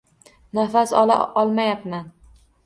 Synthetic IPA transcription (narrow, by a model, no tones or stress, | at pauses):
nafasɒla̰ʔɒlˠmajapman